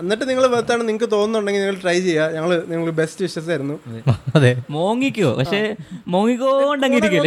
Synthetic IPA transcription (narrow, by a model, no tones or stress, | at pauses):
ɐnːiʈːɨniŋːɐɭʋɐt̪ːaːɳɨniŋɐk̬ːɨt̪o̞ːnːuɳɖeŋɡilɲiŋːɐɭʈrɐjt͡ɕe̞jːaɲɐŋːɐɭɨniŋːɐɭbe̞stɨʋiʂɐs̬aːjɾunːuɐðemoːŋːikʲːuo̰ːpɐ̰kʂe̞mo̞ːŋːik̬ʲːouɳɖeŋːɡiɾikʲːɐ